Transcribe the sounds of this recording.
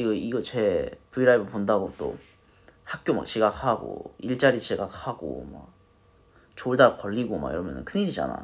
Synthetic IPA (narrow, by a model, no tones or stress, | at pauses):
iɡʌiɡʌt͡ɕepuiɾabɯɭpondaɡot͈o̰ | hak̚k͈joma̰k̚ɕiɡakhaɡo̰iɭt͡ɕ͈aɾit͡ɕeɡak̚haɡo̰ma̰ | t͡ɕoɭdakʌʎːiɡoma̰ḭɾʌmjʌnɯ̰nkʰɯniɾid͡ʑa̰na̰